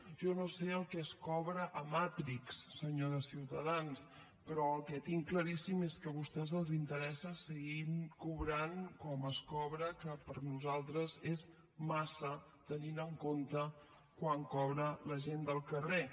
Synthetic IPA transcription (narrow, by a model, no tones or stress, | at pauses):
ʒɔnoseəlˠkɛəskɔβɾəʔəmat̪ɾiksːəɲoðəsiwt̪əðans | pɾɔəlˠkɛt̪iŋkləɾisimeskəβust̪ɛzəlˠzint̪əɾɛsəsəɣinkuβɾankɔməskɔβɾəkəpəɾnuzalˠt̪ɾəzez | masə | t̪əninəŋkont̪ə | kwaŋkɔβɾələʒend̪əlˠkəre